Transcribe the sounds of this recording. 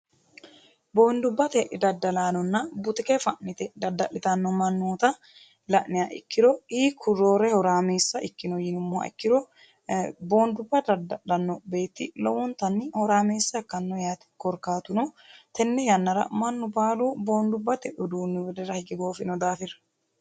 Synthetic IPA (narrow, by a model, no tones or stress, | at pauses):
bo̞ːnd̪ʊbːɐt̪ɛʔɪd̪ɐd̪ːɐlaːnɔnːɐbʊt̪ɪkɛfɐʔnɪt̪ɛd̪ɐd̪ːɐʔɪt̪ɐnːɔmɐnːoːt̪ɐ | lɐʔnɪjɐʔɪ̰kːɪɾɔiːkʰʊrːoːɾɛhɔɾaːmeːsːɐʔɪkːɪnɔjɪnʊmːɔɐ̰ɪ̰kːɪɾɔ | bo̞ːnd̪ʊbːɐd̪ɐd̪ɐʔɐnːɔbe̞ːt̪ːɪlɔwɔnt̪ɐnːɪhɔɾaːmeːsːɐɛkːɐnːɔjaːt̪ɪ̥kɔɾkaːt̪ʊnɔt̪ɛnːɛjɐnːɐɾɐ̰mɐnːʊbaːlubo̞ːnd̪ʊbːɐt̪ɛʔʊd̪uːnːɪwɛd̪ɛɾɐhɪɡɪɡo̞ːfɪnɔd̪aːfɪɾɐ̥